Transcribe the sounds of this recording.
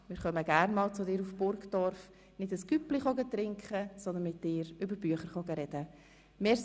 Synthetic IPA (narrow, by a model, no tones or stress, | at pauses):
mɪːɾʁχœməɡæɾnmɑːlt͡sʊdɪːɾufb̥ʊɾkd̥ɔɾf | nɪdəskypliχɔɡətɾɪŋkχəsɔnd̪ənmɪt̚d̥ɪːɾʏbəɾb̥yəχəɾχɔɡəɾɛd̥ə | meː